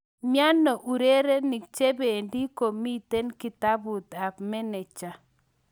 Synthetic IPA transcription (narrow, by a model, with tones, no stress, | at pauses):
mja˦nːɔ˨ʔu˨ɾe˦ɾe˦ni˨k̚t͡ʃe˦be˨ndi˦ko˨mi˦t̪e˦nki˨ta˦bu˨t̪a˨bmɛ˦nɛ˨t͡ʃa˨